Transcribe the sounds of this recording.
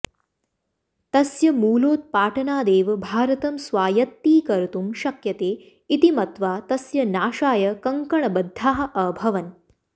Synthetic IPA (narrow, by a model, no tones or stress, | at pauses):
t̪ɐsjɐmuːloːt̪̚paːʈʰɐnaːd̪eːʋbʱaːɾɐt̪ɐmsʋaːjɐt̪ːiːkɐɾt̪umʃɐkjɐt̪eː | it̪imɐt̪ʋaːt̪ɐsjɐnaːʃaːjɐkɐŋkɐɳɐbɐd̪ʱːaːɦɐʔɐbʱɐʋɐn